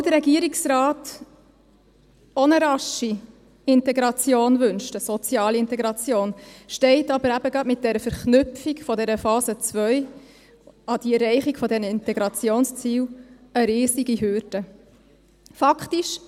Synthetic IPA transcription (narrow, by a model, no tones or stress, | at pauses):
d̪əɾɛɡiəɾiksɾɑːt | ɔnəɾɑʃi | ɪntɛɡɾɑt͡sjoːnʋɵnʃtəsɔt͡sjɑːliɪntɛɡɾɑt͡sjoːnʃtɛɪtɑbəɾæb̥əɡɑdmɪt̚d̥ɛɾəfəɾχnʉpfikfɔdɛɾəfɑːzət͡svœʏ | ɑdiɛɾːɛɪχikfɔdɛnəɪntɛɡɾɑt͡sjoːnst͡siːw | əɾɪːziɡiɦʏɾd̥ə | fɑkχtiʃ